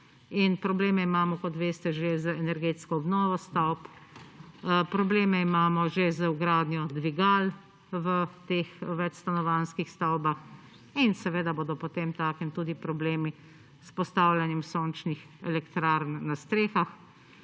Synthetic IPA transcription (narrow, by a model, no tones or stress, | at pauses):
inpɾɔbleːmɛimaːmɔkɔt̪ʋeːst̪ɛʒezəɛnɛɾɡeːt̪skɔɔbnɔːʋɔst̪awp | pɾɔbleːmɛimaːmɔʒezəuɡɾaːd̪njɔd̪ʋiɡal | ʋət̪eːxʋɛt͡ʃst̪anɔʋanskixst̪awbax | insɛʋeːd̪aboːd̪ɔpɔt̪emt̪aːkimt̪uːd̪ipɾɔbleːmi | spɔst̪aːwljanjɛmsoːnt͡ʃnix | ɛ̰lɛkt̪ɾaɾnːast̪ɾeːxax